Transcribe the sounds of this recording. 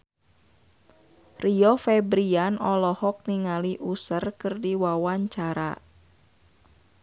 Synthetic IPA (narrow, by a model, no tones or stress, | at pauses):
riɔfɛbɾianɔlɔhɔk̚niŋaliʔusərkɨrdiwawaɲt͡ʃaɾa̰